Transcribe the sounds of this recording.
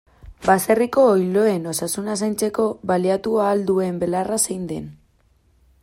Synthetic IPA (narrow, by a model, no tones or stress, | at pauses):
baseriko̞ːjlo̞e̞no̞sasunas̬ajnt͡se̞ko̞βaliat̪uaːld̪ue̞mbe̞larasejnd̪e̞̰n